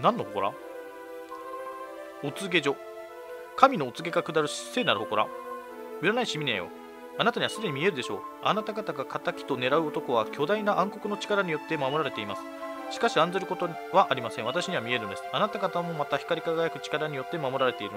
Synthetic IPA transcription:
nãnːo̞hoko̞ɾa̰ | o̞t͡sɨɡe̞ʑo̞ | kʰamʲino̞ːt͡sɨɡe̞ɡakɯ̟d̪aɾɯ̟ɕi̥se̞ːnaɾɯ̟hoko̞ɾa̰ | miɾanaiɕimʲinḛ̃jo̰ | anat̪aɲiβasɨd̪e̞ɲ̟imʲie̞ɾɯ̟d̪e̞ɕo̞ːa̰nat̪aɡat̪aɡakʰat̪akʲi̥t̪o̞ne̞ɾaɯ̟ot̪o̞ko̞βakʲo̞d̪ainaʔãŋko̞kɯ̟no̞t͡ɕi̥kaɾaɲ̟ijo̞t̪ːe̞mamo̞ɾaɾe̞t̪e̞imasɨ̥ | ɕi̥kaɕiãnd͡zeɾɯ̟ko̞t̪o̞ | βaʔaɾʲimasẽɰ̃βat̪aɕiɲ̟iβamʲie̞ɾɯ̟nd̪esɨ̥anat̪aɡat̪amo̞mat̪açi̥kaɾʲikaɡajakɯ̟t͡ɕi̥kaɾaɲ̟ijo̞t̪ːe̞mamo̞ɾaɾe̞t̪e̞iɾɯn

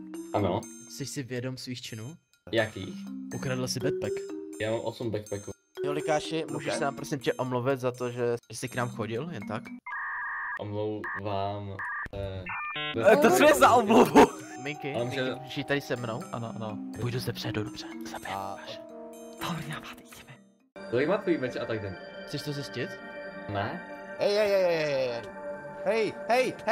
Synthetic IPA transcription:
ʔanost̪ɛʃsɪvjɛdomsviːxt͡ʃɪnuː | jakḭːxʔukɾadɪlsɪbɛt̪̚pɛkjaːmaːmʔosumbɛkpɛku | jolɪkaːʃɪmuːʒɛʃssɛnapɾosɪmcʲɛʔomluvɪt̪zat̪oʒɛʒɛsɪknaːmxoɟɪljɛnt̪ak | ʔomlowvaːmɛ | t̪osmɛzaʔoblovu | mɪŋkɪmʒɛʒɪt̪adɪsɛmnowʔa̰noʔanopujduzɛbr̥ɛdodobr̥ɛz̥apaʃɛt̪arnaːpḁːt̪icʲɛ̥mɛ | t̪olɪkmaːt̪̚koimɛt͡ʃɛʔat̪aɡdɛnxt͡sɛʃt̪ozɛscɪt̪nɛhɛjhɛjhɛjhɛjɛj | hɛjhɛjh

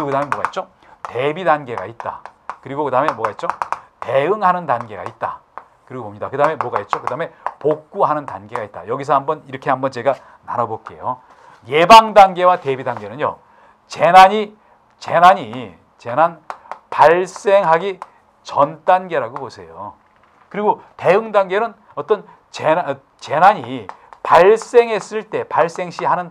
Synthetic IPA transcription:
ɯiokɯdaɯmemwʌɡa̰it̚t͡ɕ͈o | te̞bidanɡe̞ɡa̰it̚t͈a̰kɯɾiɡokɯdaɦɯme̞mwʌɡait̚t͡ɕ͈oteɯŋɦanɯndanɡe̞ɡa̰it̚t͈a̰ | kɯɾiɡobomɲidakɯdaɦɯme̞mwʌɡaet̚t͡ɕ͈okɯdaɦɯme̞pok̚k͈uɦanɯntanɡe̞ɡait̚t͈ajʌɡis̬ʰʌɦambʌniɾʌkʰe̞ɦambʌnt͡ɕe̞ɡa | na̰ɾʌbok͈e̞̰jo | jebaŋdanɡe̞wate̞bidanɡe̞nɯnjo̰ | t͡ɕe̞naɲi | t͡ɕenaɲi | t͡ɕenanpaɭs͈e̞ŋɦaɡi | t͡ɕʌnt͈anɡe̞ɾaɡobosʰe̞jo̰ | kɯɾiɡote̞ɯŋdanɡe̞nɯn | ʌt͈ʌn | t͡ɕe | t͡ɕenaɲi | paɭs͈e̞ŋɦe̞s͈ɯɭt͈e̞paɭs͈e̞ŋɕ͈iɦanɯn

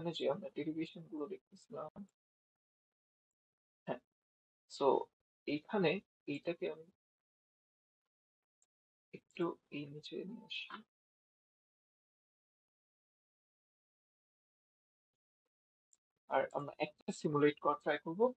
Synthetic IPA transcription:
aned͡ʑeamɾaʈelibʱiʃonɡulod̪ek̚ʰt̪ʰesʰilam | hɛ̃ | so̰ | ejkʰane | ejʈakeami | ek̚ʈuejnit͡ɕḛniaʃi | a̰ɾa̰mɾa̰ʔɛk̚ʈasimuleʈkɔat̪ɾajkoɾbo

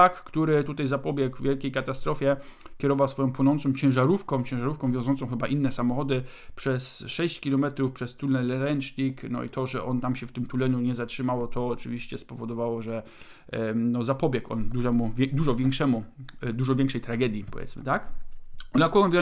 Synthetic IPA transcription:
akːt̪uɾɘt̪ut̪ajzapɔbʲjɛɡvvʲjɛlkʲejkat̪ast̪ɾɔfʲjɛ | kʲɛɾɔvawsfɔjɔ̃pwɔnɔnt̪sɔ̃w̃t͡ɕɛ̃w̃ʐaɾufkɔ̃w̃t͡ɕɛ̃ʐaɾufkɔ̃w̃vʲjɔ̃zɔnt̪sɔ̃w̃xɘbaʔinːɛsamɔxɔd̪ɘ | pʂɛsʂɛɕt͡ɕkʲilɔmɛt̪ɾufpʂɛst̪ulnɛlɛɾɛnt͡ʂɲiknɔ̰ḭt̪ɔʐɛ̰ʔɔnt̪amɕɛft̪ɘmt̪ulɛɲuɲɛzatʂɘmawɔt̪ɔːt͡ʂɘ̰vʲiɕt͡ɕɛspɔvɔd̪ɔvawɔʐɛ | nɔzapɔbʲjɛkɔ̰nd̪uʐɛmud̪uʐɔvʲjɛŋkʂɛmud̪uʐɔvʲjɛ̃ŋkʂɛjt̪ɾaɡɛd̪ʲjipɔvʲjɛ̰tsmɘ̰t̪akɔlakɔɔnvʲjɔ

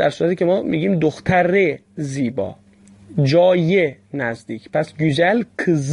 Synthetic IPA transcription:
æɾsuɾæt̪iːcʰemɒːmʔḭːɡiːmd̪oxt̪ʰæɾeziːbɒ̰ː | d͡ʒɒːjenæzd̪iːcʰpʰæsɡud͡ʒælkʰz

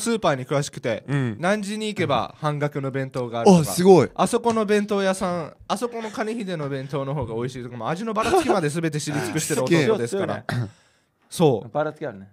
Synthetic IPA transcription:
sɨːpaːɲ̟ikɯ̟βaɕi̥kɯ̟t̪e̞nãɲ̟d͡ʑiɲ̟iːke̞ba̰hãŋɡakɯ̟no̞bẽ̞nt̪o̞ːɡaːɾoka̰sɨɡoiaso̞ko̞no̞bẽ̞nt̪o̞ːjasãŋ | aso̞ko̞no̞kaɲʲiçid̪e̞no̞bẽ̞nt̪o̞ːno̞ɦo̞ːɡao̞iɕiːt̪okamoaʑino̞baɾaɨkʲimad̪e̞s̬ɨbe̞t̪̬e̞ɕiɾʲit͡sɨ̥kɯ̟ɕi̥t̪eɯootod̪esɨkaɾa̰ | so̞ːbaɾḁkʲaɾɯne

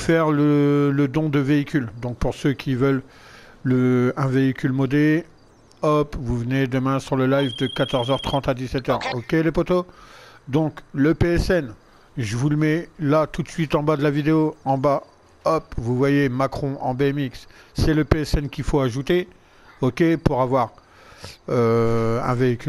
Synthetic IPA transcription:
fɛʁlələd̪ɔ̃d̪əveikʲyld̪ɔ̃k̚puʁsøkʲivœlː | əɛ̃veikʲylmɔd̪e | ɔpvuvəned̪əmɛ̃syʁləlajvd̪əkat̪ɔʁzœʁt̪χɑ̃t̪ad̪isɛt̪œʁokʲelepot̪od̪ɔ̃kləpeɛsɛn | ʒəvuləmɛlat̪ut̪sɥit̪ɑ̃bad̪əlavid̪eoɑ̃ba | ɔpvuvwajemakχɔ̃ʔɑ̰̃bemiksːɛləpeɛsɛnkʲifoaʒut̪e | ɔkʲepuʁavwaʁ | øɛ̰̃veikʲyl

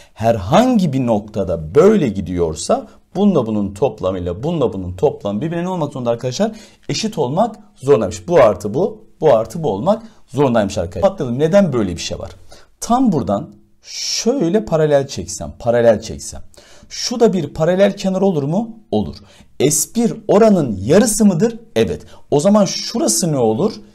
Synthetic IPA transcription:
hæɾɦaɲɟibino̞k̚t̪ʰad̪abø̞jlʲɛɟid̪ijo̞̰ɾsa | b̥unlˠabununt̪ʰo̞plˠamɯjlˠabunlˠabununt̪ʰo̞plˠamɯbibinʲeno̞lˠmakzoɾnaɾkʰad̪aʃlˠaɾ | e̞ʃit̪ʰo̞lˠmakzo̞ɾunˠamɯʃbuaɾt̪ʰɯbub̥uaɾt̪ʰɯbuo̞lˠmak | zo̞ɾund̪ˠajmɯʃa̰ɾkʰak̪lˠɯlˠɯmne̞d̪ænbø̞jlʲɛbiʃejva̰ɾ̥t̪ʰambuɾd̪an | ʃøjlʲɛpʰaɾalʲælʲt͡ʃʰɛcsæ̰npʰaɾalʲælʲt͡ʃʰɛ̰csæ̰nʃud̪abiɾpʰaɾalʲælʲcʰenaɾo̞lˠuɾmuo̞lˠṵɾ̥ | ɛspiɾo̞ɾanɯnjaɾɯsɯmɯd̪ɯɾɛvɛ̰t̪o̞zamanʃuɾasɯnɛo̞lˠuɾ̥

